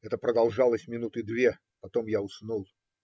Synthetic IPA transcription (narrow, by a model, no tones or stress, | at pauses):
ɛt̪əpɾəd̪ɐlˠʐɑlˠəsʲmʲɪnut̪ɨd̪vʲe | pɐt̪o̞mjaʊsnulˠ